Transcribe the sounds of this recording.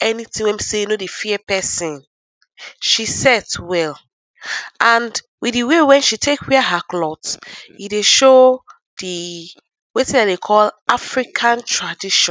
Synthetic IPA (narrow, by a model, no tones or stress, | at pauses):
ɛnitĩŋwɛ̃misejunodifiɛpɛsĩn | ʃisɛtwɛl | ʔãnd | wiiwewɛ̃nʃitʰekwiaɦaklɔtjideʃo | di | wetĩnadekʰɔlʔafɹikʰãntʰɹadiʃɔ̃n